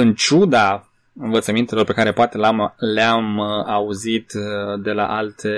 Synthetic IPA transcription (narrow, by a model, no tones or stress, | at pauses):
ɨnt͡ʃud̪a | ɨnvət̪səmint̪elo̞rpe̞kaɾe̞poat̪e̞lamleamauzit̪d̪e̞la̰ʔalt̪ʰe